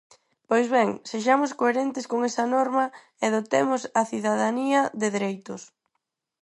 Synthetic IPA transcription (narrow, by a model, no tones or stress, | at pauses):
pojzβɛŋseʃ̬amʊskoeɾent̪ɪskoŋɛsɐnɔɾmɐ | ɛðot̪emʊsɐθiðaðaniɐðeðiɾejt̪ʊs